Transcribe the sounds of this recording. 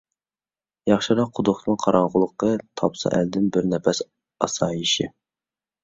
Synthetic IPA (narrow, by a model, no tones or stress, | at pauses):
jɑχʃɨɾɑqʰːʊd̪ʊχt̪mɨŋqʰɑɾɑɴʁʊlˠəqʰːət̪ʰɑpsɑ̰ʔæld̪ɪnbɪɾnɛpɛs | ɑsɑːjiʃi